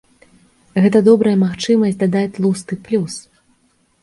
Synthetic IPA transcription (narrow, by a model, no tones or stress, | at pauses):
ɣɛt̪ɐd̪ɔbɾɐjɐmaxt͡ʂɨmɐsʲd̪ad̪at͡sʲlˠust̪ɨplʲus